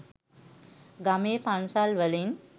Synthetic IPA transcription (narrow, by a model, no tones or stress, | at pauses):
ɡameːpansalʋəlin